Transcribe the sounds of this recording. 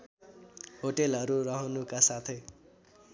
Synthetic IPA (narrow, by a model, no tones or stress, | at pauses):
ɦoʈelʌɾuɾʌɦʌnukasat̪ʰe